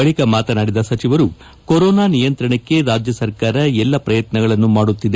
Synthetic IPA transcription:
ɐɭikɐmaːt̪ɐnaːɽid̪ɐsɐt͡ʃiʋɐɾu | koɾɔːnaːnijɐnt̪ɾɐɳɐkːe̞ɾaːd͡ʒjɐsɐɾkaːɾɐɛlːɐpɾɐjɐt̪nɐɡɐɭɐnːumaːɽut̪ːid̪e

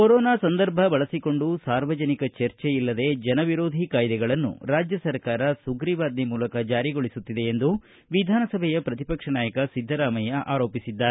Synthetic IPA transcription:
koɾɔːnaːsɐnd̪ɐɾbʱɐbɐɭɐsiko̞ɳɖusaːɾʋɐd͡ʒɐnikɐt͡ʃɐɾt͡ʃeilːɐd̪e̞d͡ʒɐnɐʋiɾo̞ːd̪ʱikaːjd̪ɛɡɐɭɐnːṵɾaːd͡ʒjɐsɐɾkaːɾɐsuɡɾiʋaːd̪nimuːlɐkɐd͡ʒaːɾiɡo̞ɭisut̪ːid̪e̞ːnd̪u | ʋid̪ʱaːnɐsɐbʱɛjɐpɾɐt̪ipɐkʂɐnaːjɐkɐsid̪ʱːɐɾaːmɐjɐʔaːɾo̞ːpisid̪ːaː

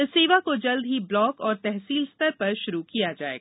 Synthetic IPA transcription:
ɪseːʋakod͡ʒɐld̪ɦiblɔːkɔːɾt̪ɛɦsiːlst̪əɾpɐɾʃʊɾukijad͡ʒa̰ːḛːɡaaː

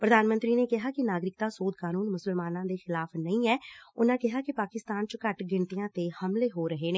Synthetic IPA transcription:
pɾəd̪aːnmənt̪ɾiːneːkɪɦaːkɪnaːɡɾɪk̚t̪aːsoːd̪kaːnuːnmʊsəlmaːnãːd̪eːxɪlaːpnəĩːɛːʊnãːkɪɦaːkɪpaːkɪst̪aːnt͡ʃəkəʈɡɪɳt̪ijãːt̪eːhəmleːɦoːɾəɦeːneː

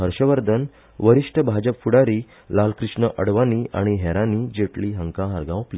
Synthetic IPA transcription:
ɦəɾɕəʋəɾd̪ʱən | ʋəɾiʂʈʰəbʱad͡ʑəpfuɽaɾiː | lalkɾiʂɳəʔəɽʋaniːʔa̰ɽ̃iɦɛɾãnid͡ʑeʈliɦəŋkãɦaɾɡãwpli

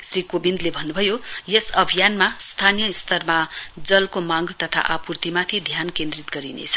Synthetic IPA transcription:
srikobind̪lebʱʌnːubʱʌjojesʌbʱijanmast̪ʰanijʌist̪ʰʌrmad͡zʌlkomaŋɡt̪ʌt̪ʰa̰ʔapurt̪imat̪ʰid̪ʱjankẽnd̪rit̪ɡʌɾinḛt͡sʰʌ̥

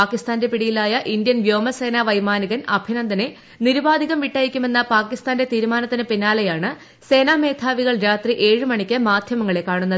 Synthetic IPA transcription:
paːkːist̪aːnde̞piɽijilaːjɐʔindjɐnʋjoːmɐse̞ːnaːʋɐjmaːniɣɐnɐbʱinɐnd̪ɐne̞ | niɾubaːd̪ʱiɣɐmʋiʈːaːjikʲːume̞nːɐpaːkːist̪aːnde̞t̪iːɾumaːnɐt̪ːinɨpinːaːlɐjaːɳɨ | se̞ːnaːme̞ːt̪ʰaːʋiɣɐɭɾaːt̪riʔe̞ːɻɨmɐɳikʲːɐmaːd̪ʱjɐmɐŋːɐɭe̞kːaːɳunːɐðɨ

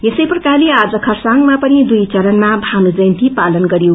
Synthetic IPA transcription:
jesʌjprʌkaliad͡zʌkʰʌrsaŋɡmapʌnid̪ujt͡sʌɾʌnmabʱanud͡zʌjnt̪ipalʌnɡʌɾjo

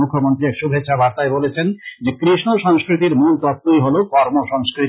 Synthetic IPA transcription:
ukʰːjomont̪ɾiɛkʃubʱetːʃʰabʱaɾt̪aebolet͡ɕʰend͡ʑekɾiʃnoʃɔŋskɾit̪iɾmult̪ɔt̪ːujɦolokɔɾmoʃɔŋskɾi

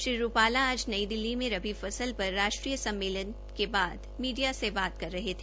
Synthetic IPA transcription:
ʃɾiɾupaːlaaːd͡ʒnɐid̪ɪlːimẽɾɐbifɐsəlpɐɾːaːʃʈɾiːjəsɐ̃mːeːlən | kebaːd̪miːɖijasebaːt̪kɐɾːɐɦet̪ʰː

